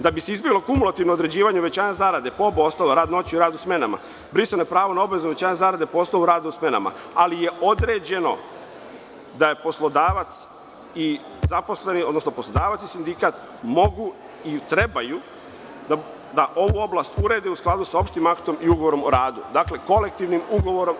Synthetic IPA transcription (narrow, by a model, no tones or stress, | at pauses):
d̪abise̞izbjeɡlokumulˠat̪iʋnood̪ɾe̞d͡ʑiːʋaɲeoʋe̞t͡ɕaːɲazaːɾad̪e̞pooboost̪aloɾaːd̪no̞t͡ɕiuiɾaːd̪usme̞nama̰ | bɾist̪onojepɾaːʋonao̞baʋe̞zuʋe̞t͡ɕaːɲazaːɾad̪e̞poosnoʋuɾaːd̪ausme̞na̰ma̰alije̞o̞d̪ɾe̞ːd͡ʑe̞no̞̰ | d̪ajepo̞slˠo̞d̪aːʋat̪s | i | zapo̞sle̞nio̞d̪nosno̞poslˠod̪aːʋat̪sisind̪ikat̪ | mo̞ɡu | it̪ɾe̞baju | d̪a | d̪aʔo̞ʋuo̞blaːst̪uɾe̞d̪eusklˠaːd̪usao̞pʃt̪imakt̪o̞miuɡoʋo̞ɾo̞moɾaːd̪ṵd̪akle̞ko̞le̞k̚t̪iʋnimuɡo̞ʋo̞ɾo̞m